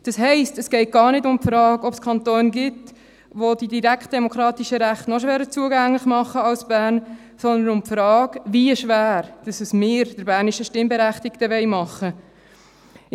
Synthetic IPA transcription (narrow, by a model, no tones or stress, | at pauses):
d̥ɑsɦɛɪstəsɡ̥ɛɪt̚ɡ̥ɑːɾnɪdʊmpfɾɑːɡɔpskʰχɑnt̪oːnɡɪt | ʋod̥idiɾækt̚d̥ɛmokʰɾɑːt̪iʃəɾæχtnɔʃ̬ʋɛːɾət͡suəɡæŋlɪχmɑχːəɑlsb̥æːɾn | sɔnd̪ənʊmpfɾɑːɡʋiəʃʋæːɾd̥ɑsəsmɪːɾd̥əɾbæːɾniʃəʃtɪmbɛɾæχtɪktəʋɛɪmɑχːə